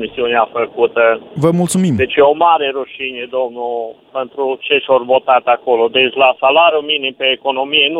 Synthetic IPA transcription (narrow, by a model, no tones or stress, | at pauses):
misiuneafəkut̪əvəmult̪sumimd̪et͡ʃeomaɾeɾuʃinʲed̪omnupent̪ɾut͡ʃeʃorvot̪at̪akolod̪et͡ʃlasalaɾjuminimpeːkonomijen